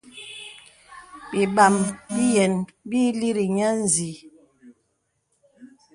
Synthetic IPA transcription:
ɓi˨ɓa˨mbi˦jɛ˨nbi˦li˦ɾi˨ɲa˦n˨zi˨˦

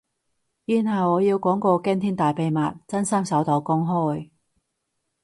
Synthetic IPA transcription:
jyː˧nɦɐ˨wɔː˨˧jiː˧wkɔː˨˥ŋkɔː˧kɛː˥nt̪ʰiː˥nt̪aː˨jpe˨˧jmaː˨t̚t͡sɐ˥nsɐ˥msɐ˨˥wt̪o˨˥˩wkʊ˥ŋɦɔː˥j

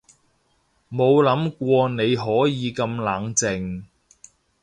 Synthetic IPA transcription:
mo˨˧wlɐ˨˥mkʷɔː˧ne˨˧jɦɔː˨˥jiː˨˧kɐ˧mlaː˨˥ŋt͡sɪ˧ŋ

